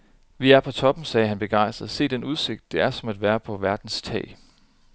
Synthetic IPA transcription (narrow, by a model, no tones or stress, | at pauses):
ʋiæɐpʰɒ̽t͡sʰɒ̽b̥m̩sɛːɦænb̥e̝ɡ̥ɑ̈ɪ̰sd̥ð̩ˠse̝̰ːd̥enuð̞ˠse̝ɡ̥d̥ːe̝æɐsɒ̽mæd̥ʋæːɐpʰɒ̽ʋæɐd̥n̩st͡sʰɛ̰ːɪ